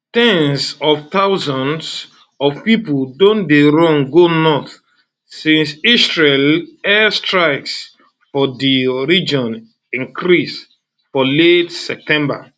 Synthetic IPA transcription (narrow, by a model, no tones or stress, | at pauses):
tɛ̃nsɔvt̪aʊzɔ̃nds | ɔvpipldõndeɹɔ̃ŋɡonɔθ | sĩnsisɹelɛstɹaɪks | fɔdiɹid͡ʒɔ̃n | ĩŋkʰɹis | fɔletsɛp̚tɛ̃mba̰